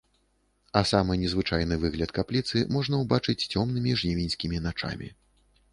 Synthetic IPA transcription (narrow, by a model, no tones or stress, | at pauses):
ɐsamɨnʲɛzvɨt͡ʂajn̪ɨvɨɣlʲɐt̪kaplʲit̪sɨmɔʐnɐwbat͡ʂɨt͡sʲt͡sʲɔmnɨmʲiʐnʲɛvʲinʲsʲkʲimʲinat͡ʂa̰mʲḭ